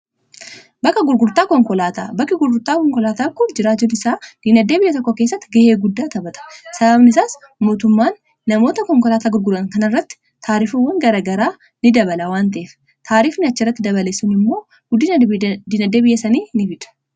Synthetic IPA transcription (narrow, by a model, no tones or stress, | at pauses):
bɐkːɐɡʊɾɡʊɾt̪aːkɔŋkɔlaːt̪aːbɐkːɐɡʊɾɡʊɾt̪aːkɔŋkɔlaːt̪aːkʊnd͡ʒɪɾaːd͡ʒʊnɪsaːd̪̥iːnɐd̪ːeːbɪjɐt̪̬ɔkːoke̞ːs̬ːɐt̪ːɪɡɐheːɡʊd̪ːaːt̪ɐbɐt̪ɐ̥sɐbɐbnɪsaːs | moːt̪ʊmːaːnː | ɐmo̞ːt̪ɐkɔŋkɔlaːt̪aːɡʊɾɡʊɾɐŋkɐnɐɪrːɐt̪ːɪ̥ | t̪ʰaːɾifuwɐŋɡɐɾɐɡɐɾaː | nɪd̪ɐbɐlɐwaːnt̪ɐʔeːf | t̪ʰaːɾiːfnɪɐt͡ʃːɪrːɐt̪ːɪd̪ɐβɐlesːʊnɪmːo̞ː | ɡ̥ʊd̪iːnd̪iːnɐd̪ːeːbɪjːɐsɐniːnɪfɪᶑ̪ɐ̥